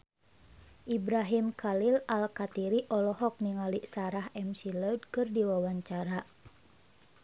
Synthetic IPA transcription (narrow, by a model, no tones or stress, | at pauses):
ʔibɾaɦimkʰalilalkat̪iɾiʔɔlɔɦɔk̚niŋaliʔsaɾaɦɛmsilɔd̚kɨrdiwawaɲt͡ʃaɾa